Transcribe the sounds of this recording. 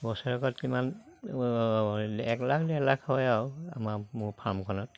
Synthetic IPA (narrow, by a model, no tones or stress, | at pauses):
bɔsɔɹɔkɔtkiman | ɛklakʰdɛlakʰhɔjawa̰mamʊɹpʰaɹmkʰɔnɔt